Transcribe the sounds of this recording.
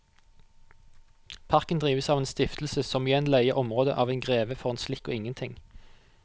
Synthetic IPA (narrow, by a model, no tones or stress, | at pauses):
pʰɑʁkənd̪ʁiːʋəsɑːʋeːnst̪ɪft̪l̩səsɔmɪjɛnlœɪəʁʔɔmʁoːd̪ə̰ʔɑːʋeɪnɡʁeːʋəfɔʁeːnslɪko̰ːɪŋənt̪ʰɪŋ